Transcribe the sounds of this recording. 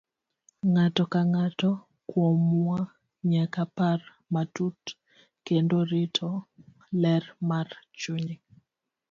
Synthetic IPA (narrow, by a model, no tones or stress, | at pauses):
ŋatɔkaŋatɔ | kwomwa | ɲakapar | matut | kendoɾɪtʰɔ | lɛrmart͡ʃuɲi